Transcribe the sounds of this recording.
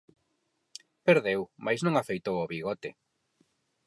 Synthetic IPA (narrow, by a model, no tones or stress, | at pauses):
peɾðewmajznũŋafejt̪owoβiɣɔt̪ɪ